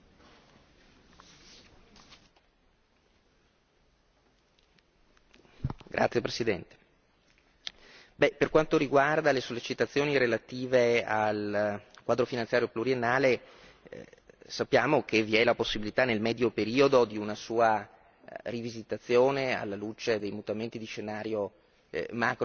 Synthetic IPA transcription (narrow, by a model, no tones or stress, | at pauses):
ɡɾʔa̰t̪sːjepɾesid̪ɛnt̪e̥ | bɛperkwant̪oɾiɡward̪alesolːet͡ʃit̪at̪sːjoːniɾelat̪iːvealkwaːd̪ɾofinansjaːɾjopluɾienːaːle | sapːjaːmokeviɛlaposːibilit̪anelmɛd̪jopeɾiːod̪od̪iunasuːa | rivizit̪at̪sːjoːnea̰lːalut͡ʃed̪ejmut̪ament̪id̪iʃenaːɾjo | mak